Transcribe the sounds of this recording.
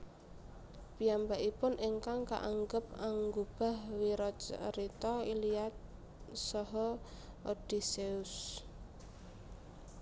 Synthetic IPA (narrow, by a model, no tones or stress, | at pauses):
piambaʔipʊnʔɪŋkaŋka̰ʔaŋɡəp̚aŋɡub̥a̤hwiɾɔt͡ʃəɾit̪ɔiliat̪̚ | sɔɦɔ | ʔod̥iseʊs